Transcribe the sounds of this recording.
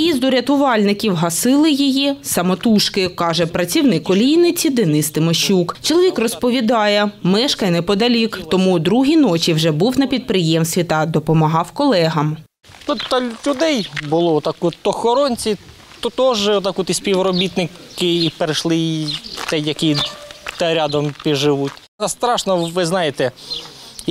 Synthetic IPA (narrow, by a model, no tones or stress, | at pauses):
jizd̪ʊɾʲɐt̪ʊʋɑlʲnɪkʲiwɦɐsɪlˠɪjijisɐmɔt̪uʃkɪkɑʒɛpɾɐt͡sʲiwnɪkɔlʲijnɪt͡sʲid̪ɛnɪst̪ɪmɔʃukt͡ʃɔlˠɔʋʲikrɔspɔʋʲid̪ɑjɛmɛʃkɐnɛpɔd̪ɐlʲikt̪ɔmud̪ɾuɦʲinɔt͡ʃʲiwʒɛbuwnɐpʲid̪̚pɾɪjɛmst̪ʋʲit̪ɐd̪ɔpɔmɐɦɑwkɔlˠɛɦɐm | nut̪ɐlʲʊd̪ɛjbʊlˠɔɔt̪ɑkɔɔxɔɾɔnʲt͡sʲi | t̪ɔt̪ɔʒt̪ɑkɔt̪isʲpʲiwɾɔbʲit̪nɪkɪːpeɾɪʃlˠɪt̪ɛjɐkʲit̪ɐɾʲad̪ɔmpʲiʒɪʋutʲ | ɐst̪ɾɑʃnɔʋɪznɑjet̪ɛ